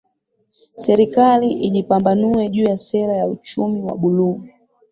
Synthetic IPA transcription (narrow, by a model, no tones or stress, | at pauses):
sɛɾikaliʔiʄipambanuwɛʄuːjasɛɾajaut͡ʃumiwa̰ɓuluu